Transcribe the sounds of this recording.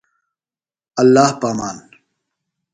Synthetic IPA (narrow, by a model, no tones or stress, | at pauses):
ɐlːaːhpaːmaːn